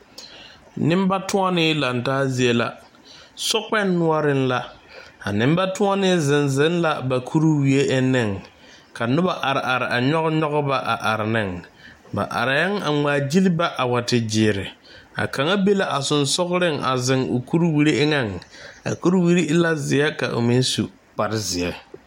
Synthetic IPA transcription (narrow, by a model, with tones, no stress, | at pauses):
nɪ˦m˦ba˦tʊ˦a˦nɪ˦la˨ntaː˦zi˦e˦la̰˦ | sʊ˦k͡pɛ˦nːʊ˦ɔ˦ɾɪ˦n˦la˦a˨nɪ˦mba˦tʊ˦a˦nɪ˦zɪ˨nzɪ˦nla˦ba˨kʰu˦ɾu˦wi˨e˦ʔɛ˦nɪ˦˨ŋ | kʰa˨nʊ˦ba˦ʔa˨ɾɪ˨ʔa˨ɾɪ˨ʔa˨ɲɔ˦ɣɲɔ˦ɣʊ˦ba˦ʔa̰˨ʔa˨ɾɪ˨nɪ˦˨ŋ | ba̰˨ʔa̰˨ɾa˨ja˦ŋa˨ŋ͡maː˨d͡ʒi˦lba˦ʔa˨wa˨tɪ˨d͡ʒɪː˨˦˨ɾɪ˨ | a̰˨kʰa˨ŋa˦be˦la˦ʔa˨sʊ˨nsʊ˦ɣɾɪ˦ŋa̰˨zɪ˨ŋo˨ku˦ɾwi˦ɾi˦ɪ˦ŋa˦˨ŋa̰˨ku˦ɾwi˦ɾi˦ɪ˦la˦zɪ˨ɛ˦ka̰˨ʔo̰˨mɪ˦n˦su˨ | k͡pa˨ɾɪ˦zɪ˨ɛ˦